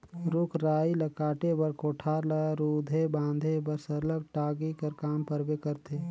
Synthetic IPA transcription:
ɾʊkʰɾaːiləkaːʈebəɾkoːʈʰaːɾləɾuːd̪ʱebãːnd̪ʱebəɾsəɾləɡ̚ʈaːɡikəɾkaːmpəɾbekəɾt̪ʰe

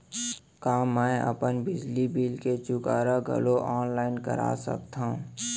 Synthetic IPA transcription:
kaːmɛ̃ə̰pənbɪd͡ʒlibiːlket͡ʃʊkaːɾaɡʱə̰loʔɔːnlaːɪnkə̰ɾa̰ːsə̰k̚t̪ãũ

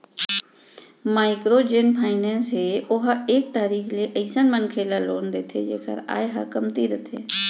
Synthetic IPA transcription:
maːɪkɾoːd͡ʒeːnpʰaːɪnɛːnsɦeːʊɦaeːk̚t̪aːɾiːkʰleːʔəɪsənmənkʰeːlaːloːnd̪eːt̪ʰḛd͡ʒḛːkə̰ɾa̰ːeɦə̰kəmt̪iːɾət̪ʰḛː

